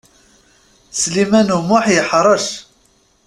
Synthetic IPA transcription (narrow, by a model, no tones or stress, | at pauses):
slimænumʊħjəħɾˤɑʃ